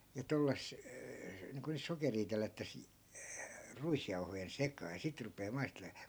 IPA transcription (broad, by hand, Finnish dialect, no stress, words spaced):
jɑ tolːɑs niːŋko nyt sokeriː telːætːæs ruisjɑuhojen sekɑː jɑ sit rupeː mɑisteleː